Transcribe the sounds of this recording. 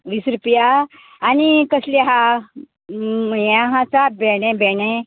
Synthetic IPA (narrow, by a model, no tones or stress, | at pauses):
ʋisɾpijaː | nikəsliɦa | jãɦãt͡sabɛɽ̃ẽbɛɳe